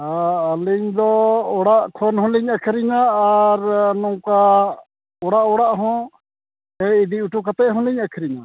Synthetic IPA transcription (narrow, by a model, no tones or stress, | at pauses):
aaliɲd̪ɔɔɽaʔkʰɔnhɔ̃liɲakʰɛɾiɲaːɾnɔŋka | ɔɽaʔɔɽaʔɦɔ̃ | ɛid̪iuʈukat̪ɛʔɦɔ̃liɲakʰɾiɲa